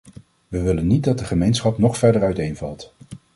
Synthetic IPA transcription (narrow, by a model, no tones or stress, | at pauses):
ʋəʋɪlənːit̚dɑd̚dəχəmejnsχɑpnɔχfɛɹdəɹœɥtejnvɑ̰lˠt